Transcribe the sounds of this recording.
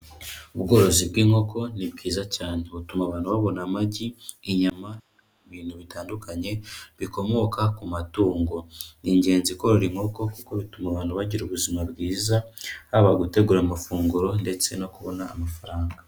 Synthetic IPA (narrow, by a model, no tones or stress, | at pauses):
uβɡo̞ɾo̞zibɡiːŋo̞kʰo̞nib̚ɡiːzacaːneβutumaβaːn̥huβaβo̞namaɟiːɲama | βiːnhuβitaːndukʰaɲe̞βiko̞mo̞kakumatuːŋɡo̞niɲɟe̞ːnziko̞ɾoɾiŋ̥o̞ko̞kuko̞βitumaβaːn̥uβaɟiɾuβuzimabɡiːzahaβaɡute̞ɡuɾamafuːŋɡuɾo̞nde̞t͡se̞no̞kuβo̞naːmafaɾaːŋɡa